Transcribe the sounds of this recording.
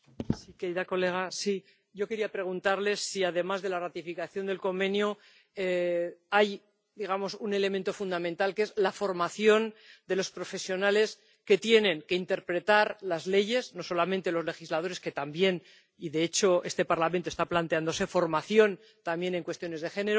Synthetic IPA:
sike̞ɾiðako̞le̞ɣ̞asi | ɟ͡ʝo̞keɾiapɾe̞ɣ̞unt̪aɾle̞sːiaðe̞mazðe̞larat̪ifikaθjo̞nd̪e̞lko̞mbe̞njo | eaj | d̪iɣamo̞sune̞le̞ment̪o̞fund̪amẽ̞nt̪alke̞zlafo̞ɾmaθjo̞nd̪e̞lo̞spɾo̞fe̞sjo̞nale̞s | ke̞t̪je̞nẽ̞ŋkeint̪e̞ɾpɾe̞t̪aɾlazle̞ʝe̞sno̞so̞lamẽnt̪e̞lo̞zle̞xizlað̞o̞ɾe̞ske̞t̪ambje̞n | iðe̞et͡ʃo̞e̞st̪e̞paɾlamẽnt̪ost̪aplant̪eand̪o̞se̞fo̞ɾmaθjo̞n | t̪ambje̞ne̞ŋkwe̞st̪jo̞ne̞zð̞e̞xe̞neɾo

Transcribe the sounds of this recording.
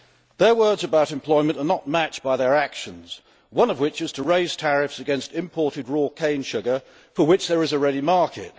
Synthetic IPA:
ðəwɜ˞dzəbaʊɾɨ̃mpʰl̥ɔɪmə̃ntənət̚mæt͡ʃb̥aɪðə˞ækʃə̃nz̥ | wʌ̃nʌvwɪt͡ʃɨz̥tʰəɹeɪz̥tʰæɹɪfsɨɡɛ̃nstɪ̃mpʰɔɹɾɨd̚ɹɔkʰẽɪ̃nʃʊɡə˞ | fəwɨt͡ʃðə˞ɨzəɹɛɾimɑɹkʰɪ̰t̚

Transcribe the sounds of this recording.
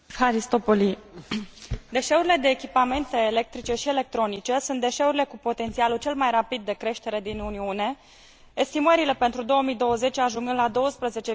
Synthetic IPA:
faɾist̪opoli | d̪e̞ʃe̞uɾile̞d̪e̞ːkʲipame̞nt̪e̞ːle̞k̚t̪ɾit͡ʃe̞ʃiele̞k̚t̪ɾo̞nit͡ʃe̞sunt̪d̪e̞ʃe̞uɾile̞kupo̞t̪e̞nt̪sialut͡ʃe̞lmajrapid̪ːe̞kɾe̞ʃt̪e̞ɾe̞d̪inuniune̞ | est̪iməɾile̞pe̞nt̪ɾud̪o̞oəmijd̪o̞wəze̞t͡ʃʲaʒuŋɡɨnlad̪o̞wəspɾəze̞t͡ʃe

